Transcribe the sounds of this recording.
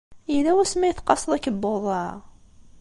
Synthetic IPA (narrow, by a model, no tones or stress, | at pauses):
ilæwæsmæjəθqɑsˤəðˤækːəbːoðˤɑ